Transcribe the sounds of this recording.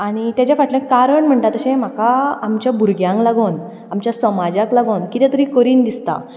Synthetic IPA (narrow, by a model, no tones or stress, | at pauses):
aɽ̃it̪jat͡ɕafaʈlẽkaɾəɳm̤əɳʈ̪at̪əɕɛ̃m̤akaamt͡ɕjabʱuɾɡjãŋɡlaɡon | amt͡ɕjasəmad͡ʑaklaɡonkit̪ɛ̃t̪əɾĩkəɾiːnd̪ist̪a̰